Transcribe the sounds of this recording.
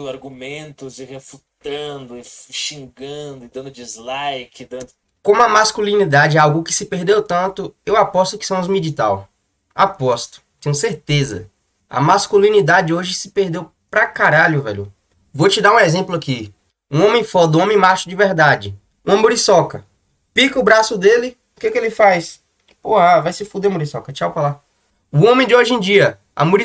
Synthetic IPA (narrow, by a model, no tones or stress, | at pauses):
aɾɡumẽnt̪ʊzɪʁefut̪ɐ̃d̪ʊɪʃĩŋɡɐ̃d̪ʊɪd̪ɐ̃nd̪ʊd͡ʒizlajkɪd̪ɐ̃nd̪ʊ | kõmʊɐmaskulĩnid̪ad͡ʒɪɛawɡʊkɪ̥sɪpeɾd̪ewt̪ɐ̃nt̪ʊewapɔst̪ʊkɪ̥sɐ̃w̃zmid͡ʒit̪a̰w | a̰pɔst̪ʊ̥t̪ẽɲ̃ʊseɾt̪ezɐ̰ | ɐ̰maskulĩnid̪ad͡ʒɪoʒɪsɪ̥pehd̪ew | pɾɐkaɾaʎʊvɛ̰ʎʊ̰ | vot͡ʃɪd̪aũɛzẽplʊaki | ũõmẽj̃fɔd̪ɐũõmẽj̃maʃʊd͡ʒɪvɛɾd̪ad͡ʒɪ | ũɐmuɾisɔkɐ | pikɐʊbɾasʊd̪elɪ | ukekɪelɪfajs | pohɐvajsɪfud̪emuɾisɔkɐt͡ʃawpɾala | ʊõmẽd͡ʒ̪ɪoʒẽd͡ʒiɐ | ɐ̰muɾi